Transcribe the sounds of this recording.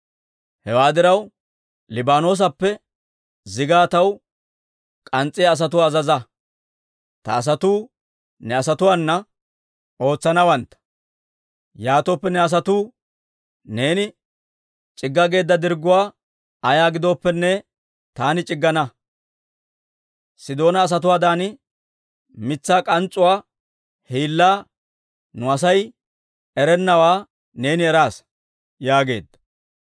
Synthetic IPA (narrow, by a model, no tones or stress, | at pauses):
hɛwaːd̪ɪɾɐw | lɪbaːno̞ːs̬ɐpːɛ | zɪɡaːt̪ɐw | kʼɐnt͡sʼːɪːs̬ɐt̪ʊːzɐzɐ | t̪ɐ̰ːs̬ɐt̪uː | nɛɐsɐt̪ʊwaːnːɐ | o̞ːt͡sːɐnɐwɐnt̪ːɐ̥ | jaːt̪ɔpːɛnɛɐs̬ɐt̪uː | ne̞ːnɪ | t͡ʃʼɪɡːɐɡe̞ːd̪ːɐd̪ɪɾɡʊwaː | ɐjaːɡɪd̪ɔːpːɛnːɛ | t̪aːnɪt͡ʃʼɪɡːɐnɐ | sɪd̪o̞ːnɐːs̬ɐt̪̬ʊwaːd̪aːnɪ | mɪt͡sːaːkʼɐnt͡sʼːʊwaː | hiːlːaː | nʊɐsɐj | ɛɾɛnːɐwaː | ne̞ːnɪɛɾaːs | jaːɡe̞̰ːd̪ːɐ̥